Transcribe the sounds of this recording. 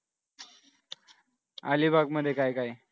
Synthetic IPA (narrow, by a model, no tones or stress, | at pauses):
a̰libʱaɡ̚məd̪ʱːjekajkaj